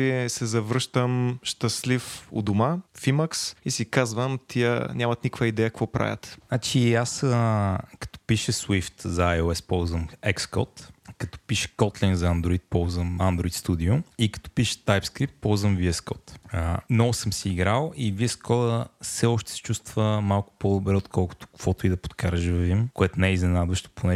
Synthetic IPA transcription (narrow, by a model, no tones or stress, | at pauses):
isɛzɐvɾɤʃt̪əmʃt̪əslifʊ̰d̪ʊmafiməksisikazvəmt̪ʰiə̰nʲamɐt̪nikkvəid̪ɛjəkvɔpɾa̰vʲə̰t̪nat͡ʃiasəkɐ̥t̪o̥piʃəswift̪zɐajoɛspɔwzvəmɛkskɔ̰t̪kɐt̪ɔ̥piʃə̥kɔt̪lɛnzɐɐnd̪ɾoit̪̚pɔlˠzvəmand̪ɾoit̪st̪ud̪iʊikɐ̥t̪ɔ̥piʃə̥t̪ajpskɾip̚t̪̚pɔlˠzvəmviɛskɔt̪ənɔvʊsəmsiːɡɾalˠiviɛskɔdəfsɛɔʃt̪ɛ̥sɛ̥t͡ʃust̪vəmalˠkʊ̥pod̪obɾɛot̪kʰɔlˠkʊ̥t̪ʊ̥kv̥ɔt̪oid̪ɐpo̥t̪kʰaɾəʒvivimkoɛt̪ʊnɛɛiznɛnad̪vəʃt̪o̥pʰonɛ